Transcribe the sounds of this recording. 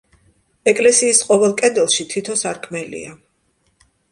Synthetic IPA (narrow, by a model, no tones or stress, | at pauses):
ɛkʼlɛsiːsqʼɔvɛlˠkʼɛd̪ɛlˠʃit̪ʰit̪ʰɔsaɾkʰmɛlḭa